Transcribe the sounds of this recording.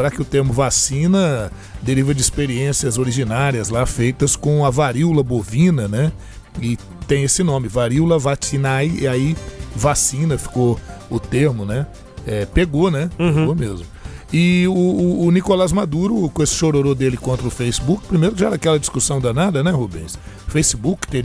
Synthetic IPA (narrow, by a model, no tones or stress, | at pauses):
seɾakɪʊt̪eɾmʊvasĩnɐ | d̪eɾivɐd͡ʒɪispeɾiẽsiɐzoɾiʒinaɾiɐzlafejt̪ɐskõɐvaɾiwlɐbovĩnɐnɛ | ɪ | t̪ẽj̃esɪnõmɪvaɾiwlɐvat͡ʃinajḭaivasĩnɐfi̥koʊt̪eɾmʊnɛ | ɛpeɡonɛpeɡomezmʊɪʊʊːnikolazmad̪uɾʊkesɪ̥ʃoɾoɾod̪elɪkõnt̪ɾɐʊfejsibukɪ̥pɾimejɾʊkɪʒaɛɾɐakɛlɐd͡ʒiskusɐ̃w̃d̪ɐnad̪ɐnɛhubḛ̃sʊfejsibukt̪eɾi